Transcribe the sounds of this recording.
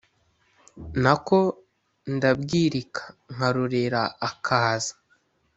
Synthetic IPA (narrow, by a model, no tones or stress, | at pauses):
nako̞ | ndabɡiːɾikʰḁŋ̥aɾuɾeɾaːkʰaːzḁ